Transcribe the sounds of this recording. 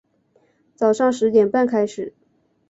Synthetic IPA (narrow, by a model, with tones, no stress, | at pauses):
t͡sɑ˨˩ʊʂɑ˥˩ŋʂɻ̩˧˥t̪jɛ˨˩npa˥˩nkʰa˥ɪʂɻ̩˨˩˦